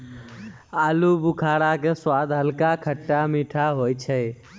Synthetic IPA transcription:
aːlubʊkʰaːɽakeswaːd̪ɦəlkakʰəʈːamiːʈʰaɦoːjt͡ʃʰɛ

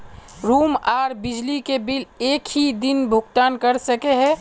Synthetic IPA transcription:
ɾuːmaːɾbɪd͡ʒlikebɪleːkɦid̪ɪnbʱʊɡt̪aːnkəɾsəkeɦɛ̃

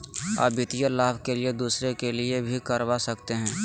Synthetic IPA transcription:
a̰ːbɪt̪ijalaːbkelied̪uːsɾekelɪebʱikɐɾʋasɐkt̪eɦɛ̃ː

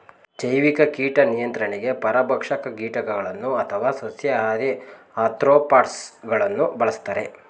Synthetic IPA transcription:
d͡ʒɐjʋikɐkiːʈɐnijɐnt̪ɾɐɳeɡe̞pɐɾɐbʱɐkʂɐkɐɡiːʈɐkɐɡɐɭɐnːuɐt̪ʰɐʋaːsosjɐaːɾi | aːt̪ɾoːpaːʈsɡɐɭɐnːubɐɭɐst̪aːɾe

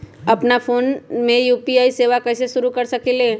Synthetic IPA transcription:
ɐpnapʰoːnmẽjuːpiaːiseːʋakɛːseʃʊɾukɐɾsɐkeleː

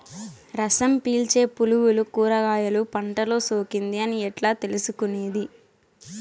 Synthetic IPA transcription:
ɾɐsɐmpiːlt͡ʃe̞ːpuluwulukuːɾɐɡaːjɐlupɐɳʈɐloːsoːkind̪iɐniɛʈlaːt̪e̞lusukuneːd̪i

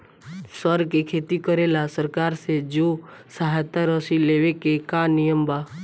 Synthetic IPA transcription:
səɾkekʰeːt̪ikəɾeːlasəɾkaːɾsed͡ʒoːsaɦjt̪aɾɔsileːʋekekanɪjəmbaː

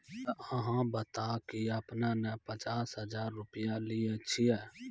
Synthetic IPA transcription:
əɦãːbət̪aːkiəpnanɛpət͡ʃaːsɦəd͡ʒaːɾːʊpɪjãlɪet͡ʃʰiɛː

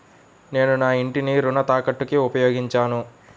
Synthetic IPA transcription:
ne̞ːnunaːiɳʈiniɾunɐt̪aːkɐʈːukiupɐjoːɡiɲt͡ʃaːnu

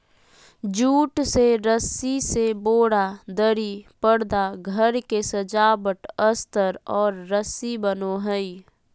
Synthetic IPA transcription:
d͡ʒuːʈseɾəsiseboːɽad̪əɾipəɽd̪aɡʱəɾkesəd͡ʒaːbəʈəst̪əɾɔːɾːəsibənoɦəi

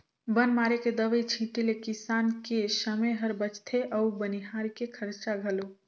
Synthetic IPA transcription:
bənmaɾeked̪əʋəjt͡ʃʰiʈilekisankesəməjɦəɾbət͡ʃt̪ʰeʔəubəniɦaɾkekʰəɾt͡ʃaɡʱəlo

